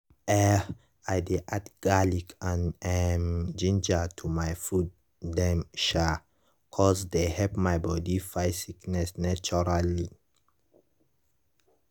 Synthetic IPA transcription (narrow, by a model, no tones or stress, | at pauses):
ɛ | ajdeʔatɡ̥alikʰãnɛmd͡ʒĩnd͡ʒatʰumajfud | dɛ̃mʃa | kʰɔsdehɛlpmajbɔdifajsiknɛsnat͡ʃɔɹali